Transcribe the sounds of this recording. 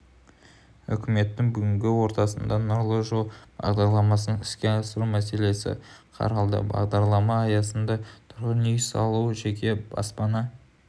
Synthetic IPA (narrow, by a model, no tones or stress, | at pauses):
ʏ̰kʲɪme̞t̪ːɪŋbʏɡʲɪŋɡʲɪwo̞ɾt̪ɑsənd̪ɑnʊɾlˠəʒob̥ɑ̰ʁd̪ɑɾlˠɑmɑsənəŋɪskʲe̞ɑsəɾumæse̞le̞sɪ̰qʰɑ̰ɾɑlˠd̪ə̰bɑ̰ʁd̪ɑɾlˠɑmɑːjɑsənd̪ɑt̪ʰʊɾʁənʏjsɑ̰lˠuəʒe̞kʲʰe̞bɑ̰spɑnɑ